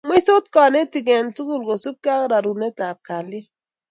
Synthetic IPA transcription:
mwi˦so˦t̚kɔ˨ne˦ti˨ɡɛ˨ntu˦ɡu˦lɡo˨su˦p̚ka˦kɾa˨ɾu˨ne˦ta˨p̚ka˨lɪ˦

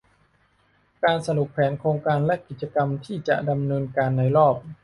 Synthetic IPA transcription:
kaː˧nsa˧du˨˩k̚pʰɛː˩˦nkʰɾoː˧ŋkaː˧nlɛ˦˥ki˨˩t̪̚t͡ɕa˧ka˧mt̪ʰiː˥˩t͡ɕa˨˩ʔda˧mnɤː˧nkaː˧nːa˧jɾɔː˥˩p̚

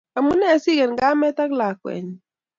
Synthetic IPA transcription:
a˨mu˦nɛ˦˨si˦ɣɛ˨nɡa˦mɛ˦t̪a˦kla˨kwɛ̰˨ɲ˨

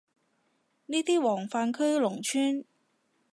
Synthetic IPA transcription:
niː˥t̪iː˥wɔː˨˩ŋfaː˧nkʰɵ˥ɥlʊ˨˩ŋt͡ʃʰyː˥n

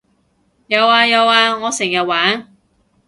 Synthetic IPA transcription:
jɐ˨˧waː˧jɐ˨˧waː˧ŋɔː˨˧sɪ˨˩ŋjɐ˨t̚waː˨˥n

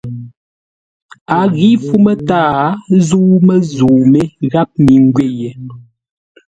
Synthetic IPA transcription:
a˨ɣi˦fu˦mə˦taː˦zuː˦mə˦zu˨me˦ɣa˦p̚mi˨ŋ˦ɡɥe˦˨je˨

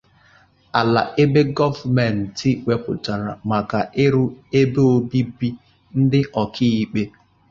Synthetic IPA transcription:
a˨la̰˨ʔe˦be˦ɡɔ˦va˨me˨n̩˨ti˦we˨pʊ˨ta˨ɾa̰˨ma˨ka˨ʔe˦ɾu˦e˦be˦o˦bi˦bi˦ | n̩˦dɪ˦ʔɔ˨kʰi˦i˨k͡pe˦

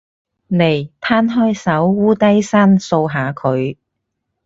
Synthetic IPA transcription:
ne˨˩jt̪ʰaː˥nɦɔː˥jsɐ˨˥wwuː˥t̪ɐ˥jsaː˥nso˧wɦaː˨˧kʰɵ˨˧ɥ

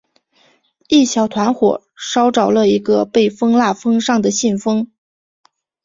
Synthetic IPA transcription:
i˥˩ɕjɑ˨˩ʊt̪ʰwa˧˥nxwɔ̰˨˩ | ʂɑ˥ʊʈ͡ʂɑ˨˩ʊlə˦i˧˥ɡə˧pe˥˩ɪfɤ˥ŋla˥˩fɤ˥ŋʂɑ˥˩ŋd̪ə˩ɕi˥˩nfɤ˥ŋ

